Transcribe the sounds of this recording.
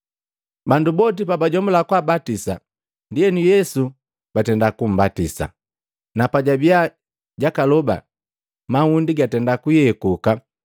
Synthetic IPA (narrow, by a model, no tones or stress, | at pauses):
bandubɔt̬ipabaɟɔmulakwabatisa̰ | ndiɛnujɛsu | b̥atɛndakum̩batisa̰ | napaɟabia | ɟakalɔba̰ | mahundiɡatɛndakujɛkuka